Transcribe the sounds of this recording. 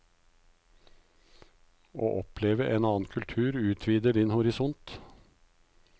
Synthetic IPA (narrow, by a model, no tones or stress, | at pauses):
o̰ːʔɔpʰleːʋəʔeːnɑːn̩kʰʉlt̪ʰʉːɾʉːt̪ʰʋiːd̪əɖɪnhʊɾɪsɔnt̪